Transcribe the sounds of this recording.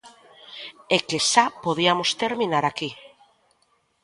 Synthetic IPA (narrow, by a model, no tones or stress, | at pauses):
ekesapoð̞iamost̪eɾmĩnaɾaki